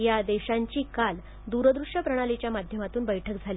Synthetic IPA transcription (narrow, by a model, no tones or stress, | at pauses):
jad̪eɕaɲt͡ɕiːkal | d̪uɾəd̪ɾuʂəpɾəɽ̃alit͡ɕjamad̪ʱjəmat̪uːnbəjʈʰək̚d͡zʱali